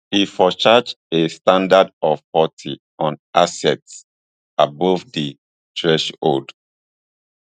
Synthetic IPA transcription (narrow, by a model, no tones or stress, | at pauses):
hifɔt͡ʃad͡ʒ | estãndadɔvpɔtʰi | ɔ̃nʔasɛts | abɔvdi | tʰɹɛʃo̰d